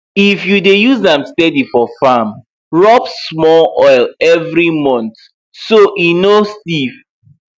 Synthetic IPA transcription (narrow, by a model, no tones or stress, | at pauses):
ifjudejuzãmstɛdifɔfam | ɹɔpsmɔlʔɔɪlɛvɹimɔ̃nt | soʔinostiv